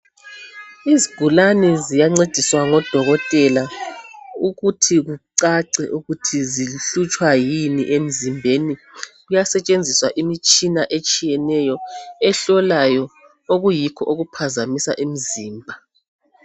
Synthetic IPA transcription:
iziɡ̥ʱulanɛzijaŋ͡ǀed̥ʱiswaŋɔd̥ʱɔɣɔtʼɛla | uɣutʰiɣuǀaǀɛʔuɣutʰiziɬut͡ʃʼwajinḭʔem̩zimbʱeniɣujasɛt͡ʃʼend͡zʱiswaʔimit͡ʃʼinaʔet͡ʃʼijɛnɛjɔɛɬɔlajɔ | oɣujikʰɔʔoɣupʰazamisa̰ʔem̩ziːmbʱa

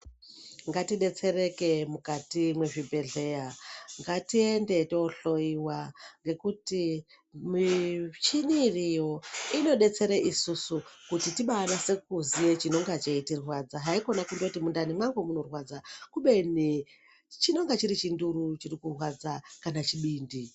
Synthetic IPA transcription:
ŋɡatiɗe̞t͡se̞ɾe̞ke̞mukatimwe̞ʐibʱe̞ɮe̞jaŋɡatie̞nde̞tooɬo̞iwaŋɡe̞kuti | mt͡ʃinirijo̞ino̞ɗe̞t͡se̞ɾeʔisusukutitiɓanase̞kuzije̞t͡ʃino̞ŋɡat͡ʃeitirwad͡zaɦaiko̞nakundotimundanimwaŋɡomuno̞rwad͡zakuɓe̞ni | t͡ʃino̞ŋɡat͡ʃiɾit͡ʃinduɾut͡ʃirikurwad͡zakanat͡ʃiɓiːndi

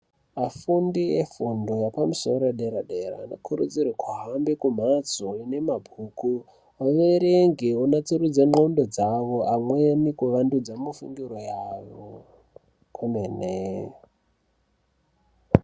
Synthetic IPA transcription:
afundiefundo̞japamusoɾeɗeɾaɗeɾa̰ːnokʰuɾṵd͡zirwakwaɦambekum̤at͡soine̞mabʱuku | waʋeɾeŋɡeunat͡siɾud͡zaŋ͡ǃondo̞d͡zaʋoʔamwenikuʋandud͡zamufuŋɡiɾojaʋo | kʰumeːne

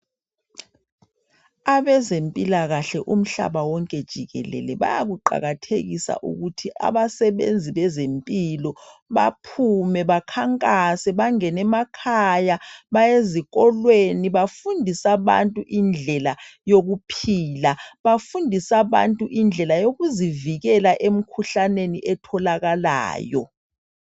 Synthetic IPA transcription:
aβɛzempʼilaɣaɬɛʔum̩ɬa̰ɓawɔŋkʼɛd̥ʒ̥ʱiɣɛ̰lɛ̰lɛɓa̰ja̰ɣuǃa̰ɣatʰeɣisa̰ʔṵɣutʰiʔa̰βasɛɓḛnd͡zʱiɓɛzempʼilɔβapʰumɛβakʰaŋkʼasɛβaŋɛnɛmakʰajaβajeziɣɔlweniβafundʱisaβa̰ntʼuʔind͡ɮʱɛlajoɣupʰiːlaβafundʱisaβa̰ntʼuʔind͡ɮʱɛlajoɣuziviɣɛlaʔem̩kʰuɬaneniʔɛtʰɔlaɣala̰ːjɔ̰

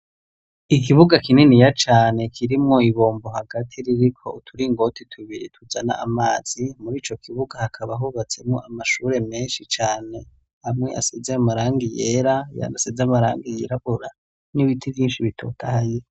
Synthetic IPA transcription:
ikiβuɡakinenijat͡ʃaːne̞kʰiɾimŋo̞iβoːmboɦaɡatʰiɾiɾikʰo̞̰tʰuɾiŋɡo̞tʰitʰuβiɾitʰuzana̰ʔːmaːz̥imuɾiːt͡ʃo̞kʰiβuɡahakʰaβaɦuβat͡se̞mŋo̞̰ʔamaʃuɾe̞me̞ːnʃit͡ʃaːne̞ | hamŋe̞a̰sezeamaɾaːŋɡijeɾaja̰nasezeamaɾaːŋɡijeɾaβuɾa | niβitʰivjiːnʃiβitʰo̞̰ːtʰahaje

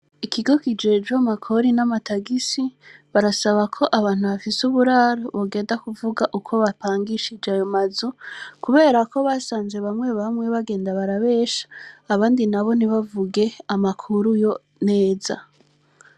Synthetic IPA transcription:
ikʰiɡo̞kid͡ʒe̞d͡ʒwamakʰo̞ɾinamatʰaɡisiβaɾasaβakʰo̞ʔaβaːn̥huβafisuβuɾaɾoβoɡe̞ːndakuvuɡaʔukʰo̞βapaːŋɡiʃid͡ʒajo̞mazukuβe̞ːɾako̞βasaːnze̞βamŋwe̞βamŋe̞βaɡe̞ːndaβaɾaβe̞ːʃḁːβaːndinaβo̞niβavuɡe̞amakʰuɾujo̞ | ne̞ːza̰

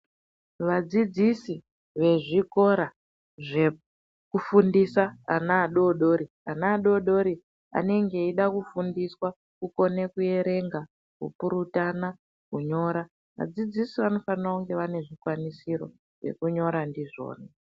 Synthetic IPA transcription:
ʋad͡zid͡zisi | ʋe̞ʐiko̞ɾa | ʐe | kufundisaːnaːɗo̞ɗo̞ɾi | anaːɗo̞ɗo̞ɾi | a̰ne̞ŋɡe̞iɗakufundiswa | kuko̞ne̞kuje̞ɾe̞ŋɡa | kṵpuɾutana | kuɲo̞ɾa | ʋa̰d͡zid͡zisiʋano̞fanrauŋɡe̞ʋane̞ʐikwanisiɾo̞̰ | ʐe̞̰kuɲo̞ɾandiʐo̞̰ːna

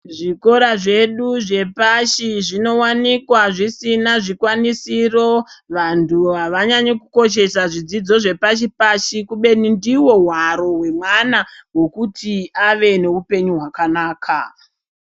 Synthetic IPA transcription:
ʐiko̞ɾaʐe̞ɗuʐe̞paʃiʐino̞wanikwaʐisinaʐikwanisiro̞ʋantʰuɦaʋaɲaɲekuko̞ʃe̞saʐid͡zid͡zo̞ʐe̞paʃipaʃikuɓe̞nindiwo̞ɦwaɾo̞we̞mwanawo̞kutʰiaʋe̞ne̞upe̞ɲuɦwakanaːkʰa

